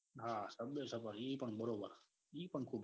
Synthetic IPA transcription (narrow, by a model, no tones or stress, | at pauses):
ɦaːsəbesəbəɾiːpəɳbəɾoːbəɾ | iːpəɳkʰuːb